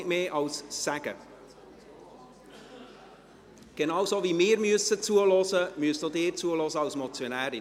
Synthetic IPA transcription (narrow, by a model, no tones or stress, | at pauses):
tmeːʔɑlssæɡ̥ə̰ | ɡ̥ɛnɑwzoːvimɪːɾmyəsət͡suəlɔsəmyəstodɪːt͡suəlɔzəɑlsmɔt͡sjonæːɾɪ